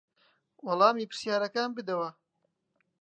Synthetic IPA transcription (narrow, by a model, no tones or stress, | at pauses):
wɑlˠɑːmiːpɨɾ̥sjaːɾɐkaːnbɨd̪ɐwɐ